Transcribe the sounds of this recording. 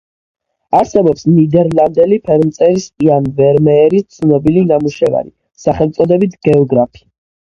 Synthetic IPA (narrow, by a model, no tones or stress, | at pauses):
aɾsɛbɔpsnid̪ɛɾlˠand̪ɛlipʰɛɾmt̪sʼɛɾispʼianvɛɾmɛːɾit̪sʰnɔbilinamuʃɛva̰ɾḭ | saχɛlˠt̪sʼɔd̪ɛbit̪ʰɡɛɔɡɾapʰi̥